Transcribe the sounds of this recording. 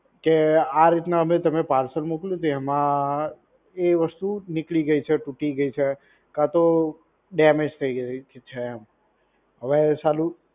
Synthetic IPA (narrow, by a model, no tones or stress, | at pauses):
keaɾit̪naəmet̪əmepaɾsəlmukljũt̪eəmã | eʋəst̪unɪkliɡəit͡ʃʰeʈuʈiɡəit͡ʃʰe | kãt̪o | ɖɛmed͡ʒt̪ʰəiɡit͡ʃʰem | ɦəʋet͡ʃalu